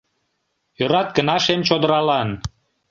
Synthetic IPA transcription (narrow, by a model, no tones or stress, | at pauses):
jøɾɑt̪̚kənɑʃemt͡ɕod̪əɾɑlɑn